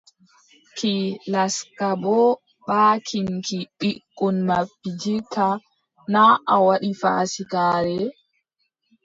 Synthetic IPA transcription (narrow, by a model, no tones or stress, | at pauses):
kilaskabɔ | baːkʰiŋkiɓikʼːɔnmabːid͡ʒitʰa | naʔawaɗifaːsikaːɾɛ